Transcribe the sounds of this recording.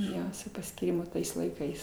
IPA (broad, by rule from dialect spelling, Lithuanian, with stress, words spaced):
ˈjoː sʊ pɐsʲkʲiːˈrʲɪmʊ ˈtɐɪs lˠɐɪˈkɐɪs